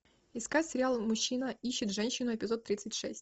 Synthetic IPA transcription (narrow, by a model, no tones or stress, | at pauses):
ɪskatʲsʲɪɾʲɪalˠmʊɕːinəiɕːɪt̪ʐɛnʲɕːɪnʊɛpʲɪzot̪ːɾʲit̪sɨtʲʂɛsʲtʲ